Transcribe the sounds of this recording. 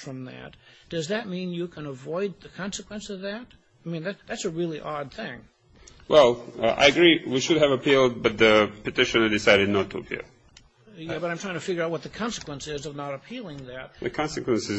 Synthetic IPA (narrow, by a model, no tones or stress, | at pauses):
fɹʌ̃mðæ̰t̚d̥ʌzðɨt̚mĩnjɨkʰə̃nəvɔɪd̪̚ðɨkʰɑ̃nsɨkwə̃nsʌvðɨt̚ | aɪmĩnðætðætsəɹɪlˠiʔɑd̪̚θɪ̃ŋ | wʔɛlˠa̰ɪɨɡɹiwiʃɨd̚ɨvəpʰilˠd̚bʌt̪̚ðɨpɨtɪʃɨnə˞dɨsaɪɾɨdⁿnətʰəəpʰḭlˠ | jæbʌɾãɪ̃mtʰaɪ̃ŋtʰɨfɪɡjə˞aʊt̚wʌt̪̚ðɨkʰɑ̃nsəkwə̃nsɪzʌvnəɾəpʰilˠɪ̃ŋðɨt̚ðɨkʰɑ̃nsɨkwə̃nsɨz